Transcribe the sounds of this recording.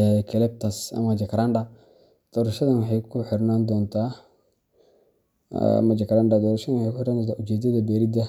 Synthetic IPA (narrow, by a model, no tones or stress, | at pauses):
ajɛkʰɐlɛb̚t̪ʰɐsɐ̰mɐd͡ʒɐkʰɾanɖɐ | d̪̥ɔːɾɐʃɐðɐnwɑħɑjkʰʊħɪɾnaːnd̪ɔːnt̪ʰaː | mɐd͡ʒɐkɾanɖad̪ɔːɾɐʃɐðɐnwħejkʊħɪɾand̪ɔnt̪aːʊt͡ʃɛːd̪ɐðɐbɛːɾɪd̪ɐ